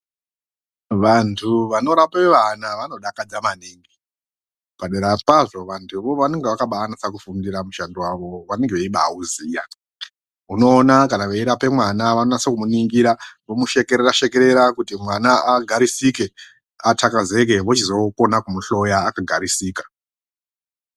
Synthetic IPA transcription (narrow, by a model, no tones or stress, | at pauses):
ʋantʰuʋano̞ɾapeʋanaʋanoɗakad͡zamaniːŋɡi | paɗeɾapaʐo̞ʋantʰuʋoʋane̞ŋɡeʋakaɓaːnasakufundiɾamuʃandiwaʋo̞ʋane̞ŋɡeʋeiɓauziːja | uno̞ːnakanaʋeiɾape̞mwanaʋanonasekumuniŋɡiɾaʋomuʃe̞keɾeɾaʃe̞ke̞ɾe̞ɾakutimwanaaɡʱaɾisike̞ | atʰakaze̞k̬e̞ʋot͡ʃizo̞konakumuɬo̞jaːkaɡʱaɾisiːkḁ